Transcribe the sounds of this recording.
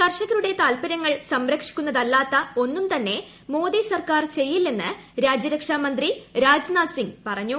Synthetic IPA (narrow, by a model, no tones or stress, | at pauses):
k̪ɐrʂɐɣɐɾuɽe̞t̪aːlpɐɾɐŋːɐɭsɐmɾɐkʂi̥kʲːunːɐðɐlːaːt̪ːɐo̞nːumt̪ɐnːe̞ | mo̞ːd̪isɐrkaːrt͡ɕe̞jːilːe̞nːɨ | ɾaːd͡ʑɐɾɐkʂaːmɐnd̪riɾaːd͡ʑnaːsiŋɡpɐrɐɲːu